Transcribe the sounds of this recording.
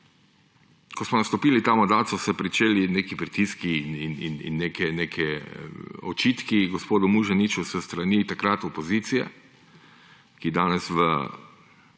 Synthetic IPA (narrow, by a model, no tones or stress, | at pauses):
kɔsmɔnast̪ɔpiːlit̪amɔnd̪aːsɔsɛpɾit͡ʃeːlineːkipɾit̪iskiːnininḭnːeːkɛnekʰɛ | ɔ̰t͡ʃiːt̪kiɡospoːd̪ʊmuʒanit͡ʃusəst̪ɾanit̪akɾat̪ɔpozit̪sijɛ̰ | kid̪aːnɛsʋə̰